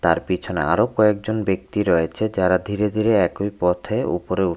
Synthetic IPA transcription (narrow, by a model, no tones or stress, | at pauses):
t̪aɾpit͡ɕʰonḛa̰ɾokɔek̚d͡ʑonbek̚t̪iɾɔjet͡ɕʰed͡ʑaɾad̪ʱiɾed̪ʱiɾeɛkojpɔt̪ʰeṵpoɾeu